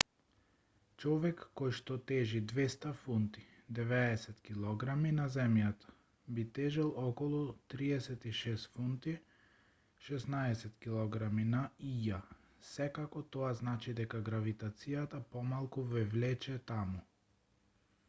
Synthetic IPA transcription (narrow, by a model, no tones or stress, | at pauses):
t͡ʃɔvɛkːɔjʃt̪ɔt̪ɛʒid̪vɛst̪afunt̪i̥d̪ɛvɛːsɛt̪kilˠɔɡɾaminazɛmjat̪ḁ | bit̪ɛʒɛlˠɔkɔlˠut̪ɾiɛsɛt̪iʃɛst̪funt̪i | ʃɛsnaɛsɛt̪kilˠɔɡɾaminaija | sɛkakɔt̪ɔaznat͡ʃid̪ɛkaɡɾavit̪at̪sijat̪apɔmalˠkuvɛvlɛt͡ʃɛt̪amu